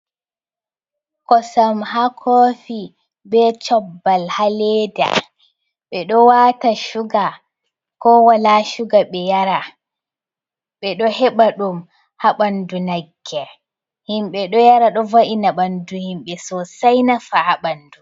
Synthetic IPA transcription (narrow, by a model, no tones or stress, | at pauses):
kɔsamɦakʰɔfi | bɛt͡ʃɔbːalhaleda̰ | ɓɛɗɔwaːtaʃuɡa | kɔwalaʃuɡaɓɛjaɾa | ɓɛɗɔhɛɓaɗum | haɓandunaɡːɛ | himɓɛɗɔjaɾaɗɔvaʔinaɓanduhimɓɛsɔsajnafaʔaɓandu